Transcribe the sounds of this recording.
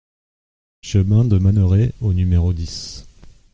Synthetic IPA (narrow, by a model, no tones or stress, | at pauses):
ʃəmɛ̃d̪əmanəʁeonymeʁod̪is